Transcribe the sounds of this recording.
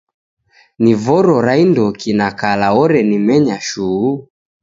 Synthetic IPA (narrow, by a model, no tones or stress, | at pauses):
nivɔɾɔɾaindɔkinakalaɔɾɛnimɛɲaʃuː